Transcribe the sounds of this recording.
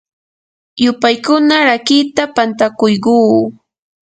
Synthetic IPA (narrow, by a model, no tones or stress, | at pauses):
jʊpajkʊnaɾakɪt̪apant̪akʊjɢuː